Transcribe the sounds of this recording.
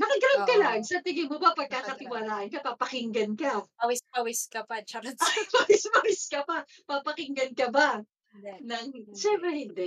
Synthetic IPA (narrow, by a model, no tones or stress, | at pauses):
nɐkɪɡɐnonkɐlaɡsɐt̪ɪɡɪmobapɐɡ̚kakɐt̪ɪwalaːhɐnkɐpapɐkɪŋɡɐnkɐpɐwɪspɐwɪskɐpɐt͡ʃɐɾɐpɐwɪspɐwɪskɐpapapɐkɪŋɡɐnkɐba | nɐŋʃɛmpɾɛhɪnd̪ɛ